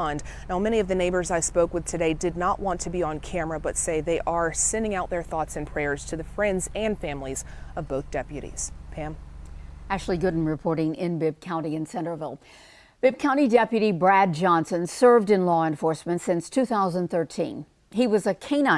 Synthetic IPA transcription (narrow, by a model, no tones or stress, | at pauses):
nd | naʊmɛɾ̃iʌvðɨneɪbə˞zaɪspoʊkwɨð̥tʰɨɾeɪdɨdⁿnəʔwɑ̃ntʰɨbiə̃nkʰæ̃mə˞ɨbʌtseɪðeɪʔə˞sɛ̃ndɪ̃ŋaʊt̪̚ðə˞θɔtsɨ̃npʰɹ̥ɛɹz̥tʰɨðɨfɹɛ̃ndzɨ̃nfæ̃mlizʌvboʊθd̥ɛpjɨɾḭz̥pʰæ̃m | æk̚t͡ʃʉl̩ˠiɡʊɾn̩ɹɨpʰɔɹɾɪ̃ŋɪ̃nbɪb̚kʰãʊ̃ñiɨ̃nsɛ̃ñə˞vɪlˠ | b̥ɪb̚kʰãʊ̃ɾ̃idɛpjɨɾibɹæd̚d͡ʒɑ̃nsɨ̃nsɜ˞vdɨ̃nlɔɨ̃ɱfɔɹsmɨ̃ntsɪ̃nstʰʉθaʊzə̃nθɜ˞tʰḭ̃n | iwʌzɨkʰẽɪ̃na